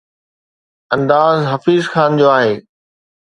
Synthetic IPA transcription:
ɐ̃nd̪aːzɦɐfiːzxaːnd͡ʑoːaːɦeː

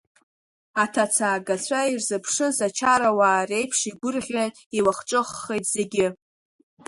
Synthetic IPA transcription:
atʰat͡sʰaːɡat͡sʷʰairzɨpʰʂɨzat͡ʃʰaɾawaːre̞jpʰʂiɡʷʊrʁʲan | iwaχʈ͡ʂʼɨχːejtʰʼz̥e̞ɡʲɪ

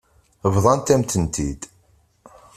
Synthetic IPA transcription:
əvðˤɑnt̪æmt̪ənt̪ḭd̪

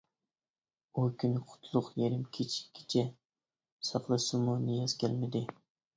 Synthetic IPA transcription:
ojkʲʰynɪqʰʊ̥t̪ʰlˠʊqjeɾɪmkʲʰet͡ʃʰi̥i̥t͡ʃʰɛ | sɑqlˠɨsɨmunijɑzkʲɛlmɪd̪ɪ

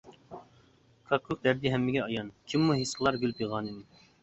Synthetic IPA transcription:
kʰɑkʰːuk̚d̪æɾd̪iɦɛmːɪɡʲɛɑjɑnkʲʰimːuɦisqəlˠɑɾɡʲylypjɨʁɑːnɨmu

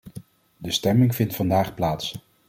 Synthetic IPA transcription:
dəstɛmɪŋv̥ɪntfɑndaːχplaːts

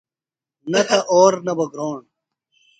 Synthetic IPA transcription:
nɐt̪ɐʔoːɾnɐbɐɡɾoːɳ

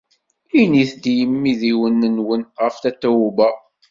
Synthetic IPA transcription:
iniθd̪ijəmːiðiwənːənwənʁəfθæt̪ːæwubæ

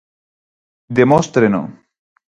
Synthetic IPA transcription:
d̪emost̪ɾeno̰

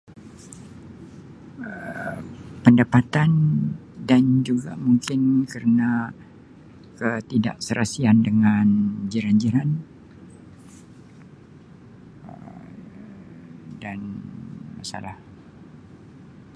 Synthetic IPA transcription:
ə | pəndapat̪andand͡ʒuɡa̰muŋkɪnkərəna | kət̪ida̰ʔsəɾʔasiandəŋand͡ʒiɾand͡ʒiɾan | ə | danmasa̰lah

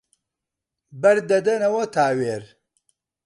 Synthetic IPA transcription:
bɐɾd̪ɐd̪ɐnɐwɐt̪ʰaːweːɾ

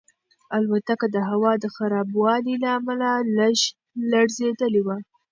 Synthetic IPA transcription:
alwat̪akad̪əɦawɑd̪əxaɾɑbwɑlilaːmalalʃ | laɽzed̪əlewa

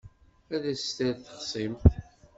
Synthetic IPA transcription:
æðæst̪æðθə̥χsˤimθ

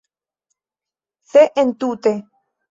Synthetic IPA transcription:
θeʔent̪ut̪e

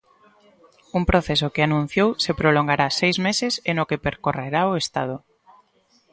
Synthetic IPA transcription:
umpɾoθesʊkɪanũn̟θjowsepɾoloŋɡaɾasejzmesɪsenokepeɾkoreɾaoest̪a̰ð̞ʊ

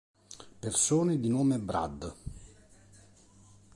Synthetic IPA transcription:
persoːned̪inoːmebɾa̰d̪

